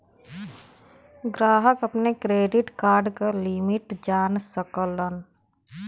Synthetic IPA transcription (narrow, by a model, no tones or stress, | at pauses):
ɡɾaːɦəkəpnekɾeːɖɪʈkaːɾɖkalimɪʈd͡ʒaːnsəkələn